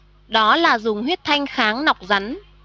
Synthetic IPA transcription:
ɗɔ˨˦laː˨˩zʊ˨˩ŋ͡mhwi˦˥ət̚t̪ʰa˧jŋ̟xaː˨˦ŋna˨˩wk͡p̚za˨˦n

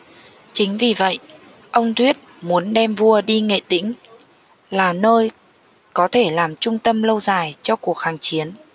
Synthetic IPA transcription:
t͡ɕï˨˦ŋ̟vi˨˩və̰˧˨jʔ | ʔə˧wŋ͡mt̪ʰwi˦˥ət̚mu˨˦ənɗɛ˧mvu˧əɗi˧ŋḛ˧˨t̪ḭ˧˥ŋ̟ | laː˨˩nəː˧j | kɔ˨˦t̪ʰe˧˩laː˨˩mt͡ɕʊ˧ŋ͡mt̪ə˧mlə˧wzaː˨˩jt͡ɕɔ˧ku˨˩ək̚haː˨˩ŋt͡ɕi˨˦ən

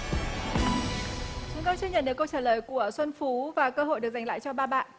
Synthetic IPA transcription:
t͡ɕʊ˨˦ŋ͡mkə˧t͡ɕːɲə̰˧˨nɗɨ˨˩əkːə˧wt͡ɕaː˧˩ləː˨˩jku˧˩əswə˧nfu˨˦vaː˨˩kəː˧ɦo̰˧˨jɗək̚za˨˩jŋla̰ː˧˨jt͡ɕɔ˧ɓaː˧ɓa̰ː˧˨ʔ

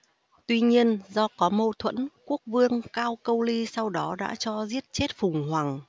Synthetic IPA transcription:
t̪wi˧ɲi˧ənzɔ˧kɔ˨˦mo˧t̪ʰwə̰˧˥nku˦˥ək̚vɨ˧əŋkaː˧wkə˧wli˧sa˧wɗɔ˨˦ɗa̰ː˧˥t͡ɕɔ˧zi˦˥ət̚t͡ɕe˦˥t̚fʊ˨˩ŋ͡mhwa˨˩ŋ

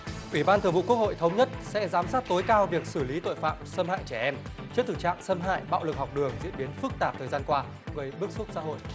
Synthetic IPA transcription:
ʔwi˧˩ɓaː˧nt̪ɨ˨˩əvṵ˧˨ku˦˥ək̚ho̰˧˨jt̪ʰə˨˦wŋ͡mɲə˦˥t̚sɛ̰˧˥zaː˨˦msaː˦˥t̚t̪o˨˦jkaː˧wvi˨˩ək̚sɨ˧˩li˨˦t̪o̰˧˨jfa̰ː˧˨msə˧mha̰ː˧˨jt͡ɕɛ˧˩ʔɛ˧m | t͡ɕɨ˦˥ət̪ɨ˨˩t͡ɕa̰ː˧˨msə˧mɦa̰ː˧˨jɓa̰ː˧˨wlɨ˨˩k̚hɔ˨˩wk͡p̚ɗɨ˨˩əŋzḭ˧˨ənɓi˨˦ənfɨ˦˥k̚t̪aː˨˩p̚t̪ʰəː˨˩jzaː˧nkwaː˧ | ɣə˨˩jɓɨ˦˥ək̚su˦˥t̚sa̰ː˧˥ɦo̰˧˨jʔ

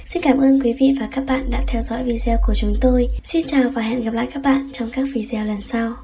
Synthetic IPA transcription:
si˧nkaː˧˩mʔəː˧nkwi˨˦vḭ˧˨vaː˨˩kaː˦˥k̚ɓa̰ː˧˨nɗa̰ː˧˥t̪ʰɛ˧wzɔ̰˧˥jvi˧zɛ˧ə˧wku˧˩ət͡ɕʊ˨˦ŋ͡mt̪o˧jsi˧nt͡ɕaː˨˩wvaː˨˩ɦa̰ː˧˨nɣa˨˩pla̰ː˧˨jkaː˦˥k̚ɓa̰ː˧˨nt͡ɕɔ˧wŋ͡mkaː˦˥k̚vi˧zə˧wlə˨˩nsa˧w

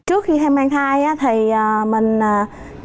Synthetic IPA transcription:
t͡ɕɨ˦˥ək̚xi˧t̪ʰa˧jmaː˧ŋt̪ʰaː˧jʔaː˧˦˥t̪ʰə˨˩jʔaː˨˩mə˨˩ŋ̟aː˨˩

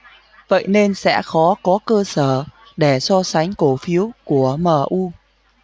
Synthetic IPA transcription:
və̰˧˨jne˧nsɛ̰˧˥xɔ˨˦kɔ˨˦kəː˧səː˧˩ | ɗe˧˩sɔ˧sa˨˦jŋ̟ko˧˩fi˨˦əwku˧˩əməː˨˩ʔu˧

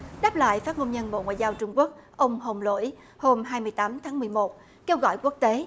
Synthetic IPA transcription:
ɗaː˦˥p̚la̰ː˧˨jfaː˦˥t̚ŋo˧nɲə˧nɓo̰˧˨ŋwa̰ː˧˨jzaː˧wt͡ɕʊ˧ŋ͡mku˦˥ək̚ʔə˧wŋ͡mɦo˨˩wŋ͡mlo̰˧˩˨j | ho˧mɦaː˧jmɨ˧əjt̪aː˨˦mt̪ʰaː˨˦ŋmɨ˨˩əjmo˨˩t̚ | ke˧wɣɔ̰˧˨jku˦˥ək̚t̪e˨˦

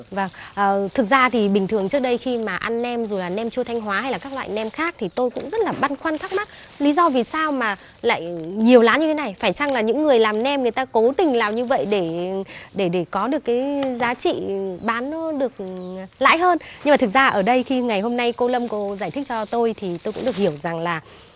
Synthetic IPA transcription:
va˨˩ŋʔəː˨˩t̪ʰɨ˨˩k̚zaː˧t̪ʰi˨˩ɓï˨˩ŋ̟t̪ʰɨ˨˩əŋt͡ɕɨ˦˥ək̚ɗə˧jxi˧maː˨˩ʔa˧nːɛ˧mzo˨˩laː˨˩nɛ˧mt͡ɕu˧t̪ʰa˧jŋ̟ɦwaː˨˦ha˧jlaː˨˩kaː˦˥k̚lwa̰ː˧˨jnɛ˧mxaː˦˥k̚t̪ʰi˨˩t̪o˧jkʊ̰˧˥ŋ͡mzə˦˥t̚laː˨˩ɓa˧nxwaː˧nt̪ʰa˦˥k̚ma˦˥t̚ | li˨˦zɔ˧vi˨˩saː˧wmaː˨˩ | la̰ː˧˨jɲi˨˩əwlaː˨˦nɲɨ˧t̪ʰe˨˦na˨˩jfaː˧˩jt͡ɕa˧ŋlaː˨˩ɲɨ̰˧˥ŋːɨ˨˩əjlaː˨˩mnɛ˧mŋɨ˨˩əjt̪aː˧ko˨˦t̪ï˨˩ŋ̟laː˨˩mɲɨ˧və̰˧˨jɗe˧˩ɗe˧˩ɗe˧˩kɔ˨˦ɗɨ˨˩əkːaː˨˦jzaː˨˦t͡ɕḭ˧˨ɓaː˨˦nːɔ˨˦ɗɨ˨˩ək̚la̰ː˧˥jɦəː˧nɲɨ˧maː˨˩t̪ʰɨ˨˩zaː˧ʔəː˧˩ɗə˧jxi˧ŋa˨˩jɦo˧mna˧jko˧lə˧mko˧zaː˧˩jt̪ʰi˦˥k̚t͡ɕɔ˧t̪o˧jt̪ʰi˨˩t̪o˧jkʊ̰˧˥ɗək̚hi˧˩əwza˨˩ŋlaː˨˩

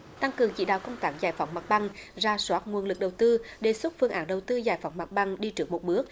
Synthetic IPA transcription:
t̪a˧ŋkɨ˨˩əŋt͡ɕḭ˧˨˥ɗa̰ː˧˨wkə˧wŋ͡mt̪aː˨˦˥ŋzaː˨˩jfa˨˦wŋ͡mmaː˨˩t̚ɓa˧ŋzaː˧swaː˦˥t̚ŋu˨˩ənlɨ˨˩k̚ɗə˨˩wt̪ɨ˧ɗe˨˩swə˦˥t̚fɨ˧əŋʔaː˨˦nɗə˨˩wt̪ɨ˧zaː˧˩jfa˨˦wŋ͡mmaː˨˩t̚ɓa˧ŋɗi˧t͡ɕɨ˦˥ək̚mo˨˩t̚ɓɨ˦˥ək̚

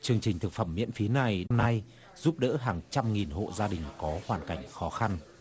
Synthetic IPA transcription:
t͡ɕɨ˨˩əŋt͡ɕï˨˩ŋ̟t̪ʰɨ˨˩k̚fə˧˩mːḭ˧˥ənfi˨˦na˨˩jɗmna˧j | zu˦˥p̚ɗə̰ː˧˥ɦaː˨˩ŋt͡ɕa˧mŋi˨˩nɦo̰˧˨zaː˧ɗï˨˩ŋ̟kɔ˨˦hwaː˨˩nka˧˩jŋ̟xɔ˨˦xa˧n

